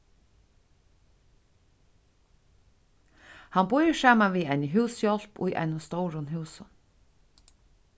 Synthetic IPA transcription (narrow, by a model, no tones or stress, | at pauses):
hanbʊjsaːmanʋiːaɪnəɦʉːsjɔl̥pʊ̰jʔa̰jnʊst̪owɾʊnɦʉːsʊn